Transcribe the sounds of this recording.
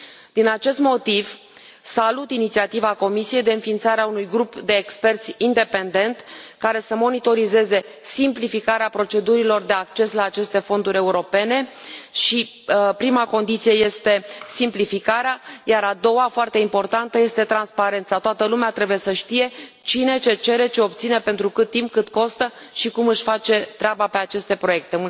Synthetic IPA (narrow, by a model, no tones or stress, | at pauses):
d̪̥inat͡ʃe̞st̪mo̞t̪iv | salut̪init̪siat̪ivako̞misije̞jd̪eɨnfint̪saɾeaunujɡɾupd̪e̞ːkspe̞rt̪sʲind̪e̞pe̞nd̪e̞nt̪kaɾe̞səmo̞nit̪o̞ɾize̞ze̞ | simplifikaɾeapɾo̞t͡ʃe̞d̪uɾilo̞rd̪e̞ak̚t͡ʃe̞slaːt͡ʃe̞st̪e̞fo̞nd̪uɾʲe̞uɾo̞pe̞ne̞ʃi | pɾimako̞nd̪it̪sije̞je̞st̪e̞simplifikaɾeajaɾad̪o̞wafoart̪e̞impo̞rt̪ant̪əje̞st̪e̞t̪ɾanspaɾe̞nt̪sat̪oat̪əlumeat̪ɾe̞buje̞səʃt̪ije̞ | t͡ʃine̞t͡ʃe̞t͡ʃe̞ɾe̞t͡ʃe̞o̞p̚t̪sinepe̞nt̪ɾukɨt̪ːimp̚kɨt̪ko̞st̪ə | ʃikumɨʃʲfat͡ʃe̞t̪ɾʲeabape̞at͡ʃe̞st̪e̞pɾo̞je̞k̚t̪e